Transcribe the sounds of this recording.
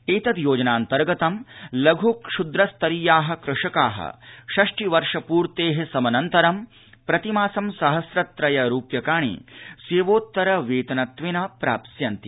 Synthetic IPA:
eːt̪ɐd̪joːd͡ʒɐnaːnt̪ɐɾɡɐt̪ɐmlɐɡʱukʃud̪ɾɐst̪ɐɾijaːɦɐ̆kɾɪʂɐkaːɦɐ̰ʃɐʂʈiʋɐɾʂɐpuːɾt̪eːɦesɐmɐnɐnt̪ɐɾɐm | pɾɐt̪imaːsɐmsɐɦɐsɾɐt̪ɾɐjɐɾuːpjɐkaːɳ̃ḭsʋeːʋoːt̪ːɐɾɐʋeːt̪ɐnɐt̪ʋinɐpɾa̰ːpsjɐnt̪i

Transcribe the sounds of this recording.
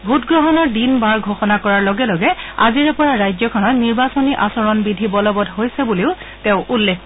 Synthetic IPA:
bʱutɡɹɔɦɔnɔɹdinbaɹɡʱoxɔnakɔɹaɹlɔɡɛlɔɡɛa̰ziɹɛpɔɹaɹajzɔkʰɔnɔtniɹbasɔniʔasɔɹɔnbidʱibɔlɔbɔdɦojsɛbuliʊ | teʊ̃ʔulːekʰ

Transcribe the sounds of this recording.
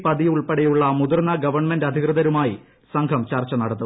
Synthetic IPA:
pɐðijuɭpeɽejuɭːɐmud̪urnɐɡɐʋɐrɳmendɐd̪ʱikrɨðɐɾumaːjḭ | sɐŋɡʰʱɐmt͡ɕɐrt͡ɕːɐnɐɽɐt̪ːu

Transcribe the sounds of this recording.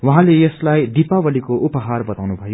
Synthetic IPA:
wuɦãlejʌslajd̪ipabʌlikoʔupʌɦarbʌt̪awnubʱʌjo

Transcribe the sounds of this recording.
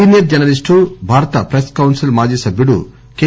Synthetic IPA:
injɐɾ̚d͡ʒɐnɐlisʈubʱaːɾɐt̪ɐpɾeskɐwnsilmaːd͡ʒiːsɐbʱjuɽṵ | keː

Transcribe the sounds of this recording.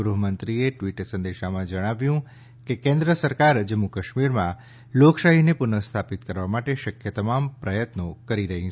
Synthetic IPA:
ɡɾuɦəmənt̪ɾieʈʋiʈsə̃nd̪eʃamãd͡ʒəɽ̃aʋjũ | kekẽnd̪ɾəsəɾkaɾd͡ʒəmːukəʃmiɾmã | lokʃaɦinepʊnəst̪ʰapit̪kəɾʋamaʈeʃəkʰjət̪əmampɾəjət̪nokəɾiɾəɦĩ

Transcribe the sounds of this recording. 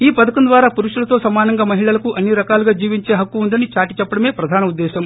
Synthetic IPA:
iːpɐd̪ɐkɐnd̪ʋaːɾaːpuɾuʂulɐt̪o̞ːsɐmaːnɐŋɡaːmɐɦiɭɐlɐkuʔɐnːiɾɐkaːluɡaːd͡ʒiːʋiɲt͡ʃe̞ːɦɐkːuund̪ɐnit͡ʃaːʈi̥t͡ʃɛpːɐɽɐme̞ːpɾɐd̪ʱaːnɐud̪ːɛːʃɐm

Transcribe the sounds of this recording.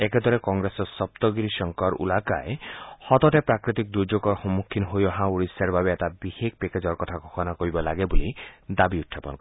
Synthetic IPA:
eked̪ʱɔɾekɔŋɡɾesɔsɔp̚t̪ɔɡiɾiʃɔŋkɔɾṵlaka̰ehɔt̪ɔtepɾakɾit̪ik̚d̪uɾd͡ʒoɡɔxɔmːukʰːinɔɦojɔɦãuɾisjaɾbʱabeet̪abihek̚peked͡ʒɔɾkɔt̪ʰakɔkʰɔnakɔibɔlaɡebulid̪abiut̪ʰːapɔ̰nkɔ

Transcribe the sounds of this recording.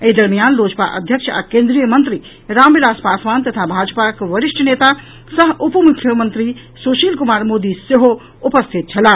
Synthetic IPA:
eɦid̪əɾmijanlod͡ʒpa̰ʔə̰d̪ʱjəkʃa̰kẽnd̪ɾijəmənt̪ɾi | ɾambilaspasʋant̪ət̪ʰabʱad͡ʒpakʋəɾiʂʈʰnet̪a | səɦupmukʰːjəmənt̪ɾi | soʃilkumaɾmod̪iseɦo | upəst̪ʰit̪̚t͡ʃʰɐla

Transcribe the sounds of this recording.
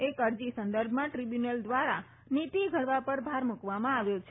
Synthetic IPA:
ekəɾd͡ʒisənd̪əɾbʱmãʈɾibjunəld̪ʋaɾa | nit̪iɡʱəɭʋapəɾbʱaɾmukʋamãaʋjot͡ʃʰ

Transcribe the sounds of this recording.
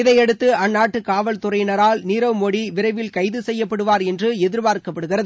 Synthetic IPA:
ɪðɐɪɛɽɯt̪ːɯɐnːaːʈːɯkaːʋɐlt̪ʊrɐɪnɐɾaːlniːɾɐʋmɔɽiʋɪɾɐɪʋɪlkɐɪðɯsɛjːɐpːɐɽɯʋaːɾɛndrɯɛðɪɾbaːɾkɐpːɐɽɯɣɪrɐðɯ

